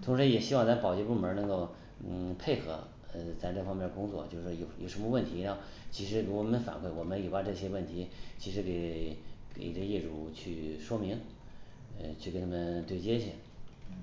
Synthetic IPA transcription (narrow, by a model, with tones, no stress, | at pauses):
t̪ʰʊ˧˥ŋʂɻ̩˧˥jɛ˨˩ɕi˥wɑ˥˧ŋt͡sa˥pɑ˨˩ʊt͡ɕɛ˥˧pu˥˩mə˞˧˥nɤ˧˥ŋko˥˧ʊ˧˩ | pʰe˥˩ɪxɤ̰˧˥ | ə˧t͡sa˥˧ɪʈ͡ʂɤ˥˩fɑ˥ŋmjndə˩kʊ˥ŋt͡swɔ̰˥˩t͡ɕjo˥˧ʊʂɔ˥˩jo˨˩ʊjo̰˨˩ʂə˧˥nmə˧wə˥˩nt̪ʰi˧˥ɻa˧˥xt͡ɕʰi˧˥ʂɻ̩˧˥ɻkɔ˧˩˥mə˧˦nfa̰˨˩nkʰwe˥˩wɔ˨˩mə˧˦nji˨˩pa˧˥ʈ͡ʂɤ˥˩ɕjɛ˥wə˥˩nt̪ʰi˧˥t͡ɕʰi˧˥ʂɻ̩˧˥ke˨˧˩ɪke˨˩ɪ˨˩ə˥˧i˥˩ʈ͡ʂu˧˥˩t͡ɕʰy˥˩ʂwɔ˥mi˧˥ŋ˧ | t͡ɕʰy˥˩ke˧˥nt̪ʰa˥mə˨nt̪we˥˩ɪt͡ɕjɛ˥ɕɛ˥˩